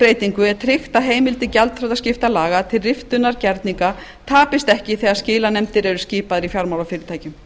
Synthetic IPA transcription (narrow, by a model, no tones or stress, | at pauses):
ɾeːjt̪iŋkʏɛɾt̪ʰɾɪxt̪aɦeːjmɪlt̪ɪcalt̪fɾawðascɪft̪alaːɣat̪ʰɪlrɪft̪ʏnːaɾcɛɾt̪niŋka | t̪ʰaːpɪst̪ɛhcɪθɛːɣascɪːlanɛmt̪ɪɾɛɾʏscɪːpaðɪɾifjaɾmawlawfɪːɾɪt̪ʰaːjcʏm